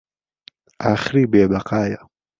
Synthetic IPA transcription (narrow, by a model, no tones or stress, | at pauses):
ʔaχɾibeːbaqaːja